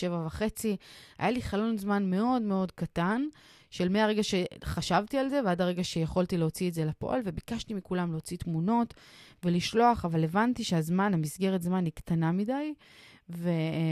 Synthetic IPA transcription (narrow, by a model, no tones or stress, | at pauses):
ʃevavaχe̞t͡sia̰jaliχalo̞nzmanme̞o̞dme̞o̞dkatan | ʃe̞lmeaʁe̞ɡaʃe̞χaʃavtialze̞veadaʁeɡaʃejeχo̞ltileo̞t͡sietze̞lapo̞̰ʔa̰lve̞bikaʃtimikulamleot͡sitmuno̞tveliʃlo̞aχavalevantiʃeazmanamisɡe̞ʁetzmaniktanamidaj | ve̞